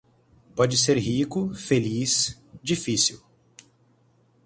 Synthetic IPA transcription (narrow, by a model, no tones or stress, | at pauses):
pɔd͡ʒɪseɾɦikʊfelis | d͡ʒifisiw